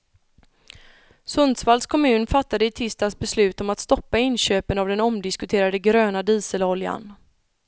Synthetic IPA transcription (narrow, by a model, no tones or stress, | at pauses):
sɵnd̪svald̪skʰɔmʉ̟ːnfat̪ːad̪əɪt̪ʰɪst̪asbɛslʉ̟ːt̪ɔmat̪st̪ɔpːaɪnɕøːpənavd̪ɛnɔmd̪ɪskɵt̪ʰeːɾad̪əɡɾøːnad̪iːsəlɔlja̰n